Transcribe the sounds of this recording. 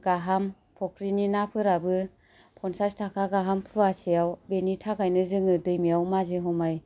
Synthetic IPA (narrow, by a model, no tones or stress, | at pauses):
ɡ̥aɦam | pʰɔkʰɾininapʰɯɾabɯ | pʰɔnsastʰakʰaɡaɦampʰuasijawbenitʰakajnɯzɯŋɯdɯjmijawmazeɦɔmaj